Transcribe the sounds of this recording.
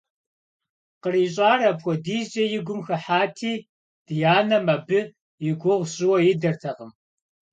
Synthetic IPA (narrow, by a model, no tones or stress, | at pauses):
qəriːɕʼaːrɐpxʷɔdiːd͡ʒɐjɪɡʷʊmxɐħaːtʰiː | d̥ɨjaːnɐmɐbɨ | jɪɡʷʊʁʷɕʼɪwɐjɪdɐrtʰɐqəm